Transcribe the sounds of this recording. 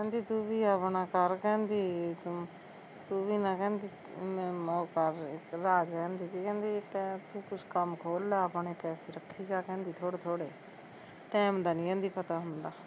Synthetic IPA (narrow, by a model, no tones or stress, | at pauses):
kɛ̃ːnd̪iːt̪uːʋiːəpnãːkəɾkɛ̃ːnd̪iː | t̪uːʋiːnãːkɛ̃ːnd̪iː | oːkəɾɾaːd͡ʒɛ̃ːnd̪iːt̪iːkɛ̃ːnd̪iːkːt̪uːkʊt͡ʃʰkəmkʰoːlaːəpɳeːpɛːseːɾəkʰːiːd͡ʒaːkɛ̃ːnd̪iːt̪ʰoːɽeːt̪ʰoːɽeː | ʈɛːmd̪aːnĩːɛ̃ːnd̪iːpət̪aːɦʊnd̪aː